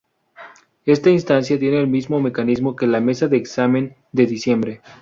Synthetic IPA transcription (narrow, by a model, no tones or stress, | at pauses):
e̞st̪ainst̪ans̬jat̪je̞ne̞ːlmizmo̞me̞kanizmo̞ke̞lame̞saðeːksamẽ̞n | d̪e̞ðisje̞mbɾe̞